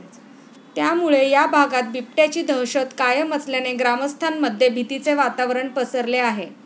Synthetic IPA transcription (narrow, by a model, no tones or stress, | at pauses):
t̪jamuɭejabʱaɡat̪̚bip̚ʈjat͡ɕiːd̪ʱəɦɕət̪kajəmət͡slaneɡɾaməst̪ʰanməd̪ʱːjebʱit̪it͡seʋat̪aʋəɾəɳpəsəɾleaɦe